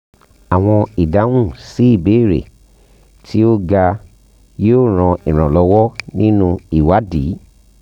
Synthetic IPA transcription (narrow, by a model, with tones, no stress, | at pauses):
a˨w̃ɔ̃˧i˨da˨˦ũ˦˨si˨˦i˦˨be˨˦˨ɾḛ˨ | ti˦o˦ɡa˧ | jo˦˨ɾ̃ɔ̃˧ʔi˨ɾ̃ɔ̃˨lɔ˨˧wɔ˦nĩ˦nũ˧i˨wa˨˦di˨˦